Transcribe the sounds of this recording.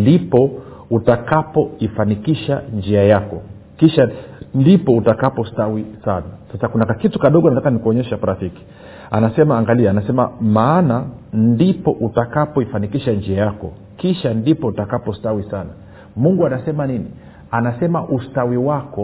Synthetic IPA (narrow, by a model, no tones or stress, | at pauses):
ndipɔ | utakapɔifanikiʃand͡ʒiajakɔ | kiʃandipɔutakapɔstawisanasasakunakitu̥kaɗɔɡɔanatakanikuɔɲɛʃapaɾafiki̥ | anasɛmaːŋɡaliaːnasɛma̰maːnandipɔʔutakapɔifanikiʃand͡ʒiajakɔ̰ | kiʃandipɔutakapɔstawisana | muŋɡuanasɛmanini | anasɛmaʔustawiwakɔ